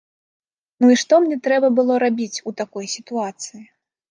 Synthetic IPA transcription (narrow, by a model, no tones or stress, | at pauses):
nuiʂt̪ɔmnʲɛt̪ɾɛbɐbɨlˠɔɾabʲit͡sʲut̪akɔjsʲit̪uat̪sɨji